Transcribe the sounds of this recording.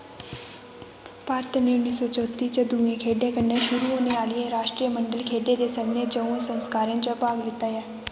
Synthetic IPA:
paːɾt̪ʰneːʊnːiːsɔːt͡ʃɔːt̪iːt͡ʃəd̪uːẽːkʰeːɖẽːkənːẽːʃʊɾuːɦoːneːaːlɪẽːɾaːʃʈɾiːəməɳɖəlkʰeːɖeːd̪eːsəmneːd͡ʒəũːẽːsənskaːɾẽːnt͡ʃəpaːɡlɪt̪ːaːjɛː

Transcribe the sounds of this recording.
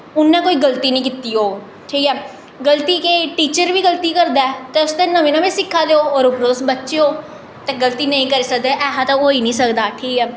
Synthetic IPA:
ʊnːɛ̃ːkoːiːɡəlt̪iːnə̃ĩːkɪt̪iːoː | ʈʰiːkɛː | ɡəlt̪iːkeʈiːt͡ʃəɾʋiːɡəlt̪iːkəɾd̪aːɛːt̪eːʊst̪eːnəmẽːnãːʋẽːsɪkʰːaːd̪eːoːɔːɾʊpɾoːsbətːʃeoː | t̪ɛ̃ːɡəlt̪iːnəĩkəɾiːsək̚d̪eːʔɛːɦãːt̪ãoːiːnĩːsəkd̪aːʈʰiːkɛː

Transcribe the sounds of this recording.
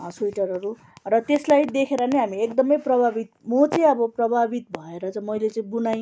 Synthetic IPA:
sujʈʌɾʌɾu | rʌt̪eslajd̪ekʰeɾʌnʌjɦamiekd̪ʌmʌjprʌbʱabit̪̚mot͡sʌĩʌbʌprʌbʱabit̪bʱʌeɾʌt͡sʌmʌjlet͡sʌĩbunaj

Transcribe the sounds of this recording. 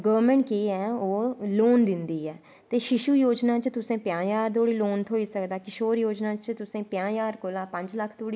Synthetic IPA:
ɡəʋəɾmɛ̃ɳʈ̚keːɛːoːloːnd̪ɪnd̪iːɛː | t̪eːʃɪʃuːjoːd͡ʒnaːt͡ʃt̪ʊsẽːpjãːjaːɾd̪oːɽiːloːnt̪ʰoːiːsəkd̪aːkɪʃoːɾjoːd͡ʒnaːt͡ʃt̪ʊsẽːpjãːjaːɾkoːlaːpə̃ɲd͡ʒləkʰːd̪oːɽiː

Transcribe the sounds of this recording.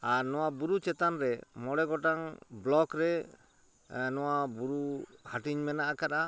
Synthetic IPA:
anɔwabuɾut͡ʃɛt̪anɾɛmɔɽɛɡɔʈaŋblɔkɾɛ | nɔwabuɾuhaʈiɲmɛnaʔakaɾa

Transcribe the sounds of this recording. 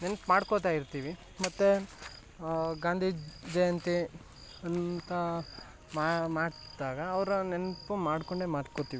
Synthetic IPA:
nenɐpmaːɽkot̪aːjiɾt̪iːʋi | mɐt̪ːe | ɡaːnd̪ʱiːd͡ʒɐjɐnt̪i | ɐnt̪ɐ | mamaːɽd̪aːɡɐːʋɾunenɐpumaːɽkoɳɖemaːɽkot̪iːʋi

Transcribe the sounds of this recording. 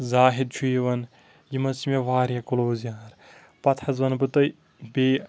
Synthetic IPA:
zaːɦid̪̚t͡ʃʰujiʋɐn | jimɐsimʲeʋaːɾjɐkuloːzijaːɾ | pɐt̪ʰɐzʋɐnbɨt̪ɐ | beː

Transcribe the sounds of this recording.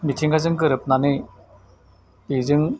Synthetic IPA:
mitʰiŋɡazɯŋkɯɾɯp̚nanɯ | izɯŋ

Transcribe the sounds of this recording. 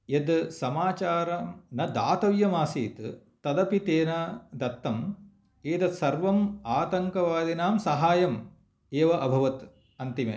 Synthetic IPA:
jed̪sɐmaːt͡ʃaːɾɐmnɐd̪aːt̪ɐʋjɐmaːsiːt̪ | t̪ɐd̪ɐpit̪eːnɐd̪ɐt̪ːɐm | eːd̪ɐt̪sɐɾʋɐmaːt̪ɐŋkɐʋaːd̪inaːmsɐɦaːjɐm | eːʋɐʔɐbʱɐʋɐt̪ | ɐnt̪imḛ

